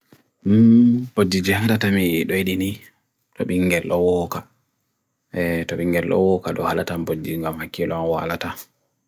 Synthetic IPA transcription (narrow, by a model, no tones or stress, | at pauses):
mbodːid͡ʒɛŋdatamiɗɔiɗini | tʰɔɓiŋɡɛlʔɔwɔːka | ɛtɔɓiŋɡɛlːɔ̰wɔkaɗɔhalatambod͡ʒːiŋɡamhakːilɔwa̰lata